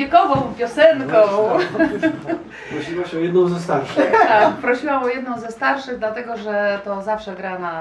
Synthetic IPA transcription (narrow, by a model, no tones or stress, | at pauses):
ɛkɔvɔ̃w̃pʲjɔsɛnkɔ̃ | pɾɔɕiwaɕɛɔjɛd̪nɔ̃w̃zɛst̪aɾʂɨxt̪ak̚pɾɔɕiwamɔjɛd̪̚nɔ̃w̃zɛst̪aɾʂɘɣd̪lat̪ɛɡɔʐɛt̪ɔzafʂɛɡɾana